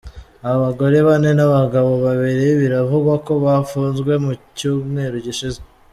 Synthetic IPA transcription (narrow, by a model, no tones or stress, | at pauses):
aβaɡo̞ɾe̞βane̞naβaɡaβo̞βaβeɾeβiɾavuɡwako̞βafuːnzɡwe̞mucuːmŋe̞ːɾuɟiʃize